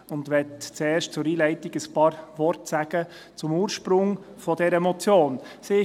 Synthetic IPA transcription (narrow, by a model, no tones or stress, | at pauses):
ʊnd̪ʋɛtt͡sɛːɾʃtt͡sʊɾiːlɛɪtɪɡəspɑːɾʋɔɾtsæɡ̥ə | t͡sʊmuːɾʃpɾʊŋ | fɔdɛɾəɛmɔt͡sjoːnsɪ